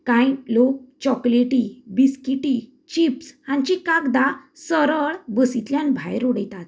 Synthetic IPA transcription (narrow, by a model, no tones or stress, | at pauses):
kãjlok̚t͡ɕɔkleʈibiskiʈi | t͡ɕipshãɲt͡ɕikãkd̪asəɾəɭbəsit̪ljãnbʱa̰jɾoɽəjt̪at̪̚